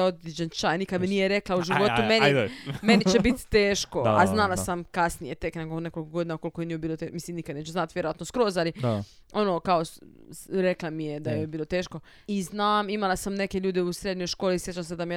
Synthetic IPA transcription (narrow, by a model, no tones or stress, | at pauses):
od̪id͡ʑent͡ʃajnikad̪menijeɾeklauʒiʋo̞t̪umenime̞nit͡ɕebit̪t̪eːʃkoaznalˠasamkasnijet̪ekneɡoune̞ko̞lʲkoɡd̪iːnaukolikojenijobiːlot̪emislimnikad̪neːt͡ʃuznat̪ʋjeɾoʋat̪noskɾo̞ːzali | o̞nokao | ɾeklamijed̪ajejobiːlo̞t̪eːʃko | iznaːmimalasamne̞ke̞ʎuːd̪eusɾe̞d̪ɲo̞jʃko̞ːlisjet͡ʃamsed̪amije